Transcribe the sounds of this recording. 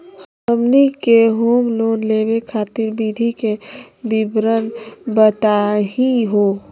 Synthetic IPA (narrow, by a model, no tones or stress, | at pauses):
h | əmnikeɦuːmloːnleːbekʰaːt̪iɾbid̪ʱike | bibɾənbət̪aɦĩɦoː